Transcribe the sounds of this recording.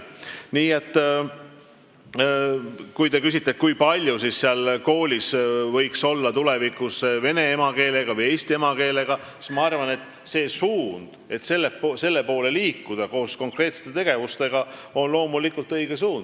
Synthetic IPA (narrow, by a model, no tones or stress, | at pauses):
niːe̞t̪ˑː | kujt̪e̞kys̬ʲit̪ːˑet̪̚kujpɑlʲjusisseɑlko̞ːlʲisvɤ̞jkso̞lːɑt̪ule̞vikusve̞ne̞emɑke̞ːle̞ɡ̥ɑvɯje̞ːst̪iemɑke̞ːle̞ɡ̥ɑ | si̥smɑɑrvɑne̞t̪ːˑ | se̞ːsuːnd̪̥e̞t̪se̞lːese̞lːe̞po̞ːle̞liːkːud̪̥ɑko̞ːsko̞ŋkre̞ːt̪se̥t̪ːˑet̪e̞ɡ̥e̞vust̪e̞ɡ̥ɑo̞nlo̞ːmulikult̪ɤjɡ̥e̞suːnd̪̥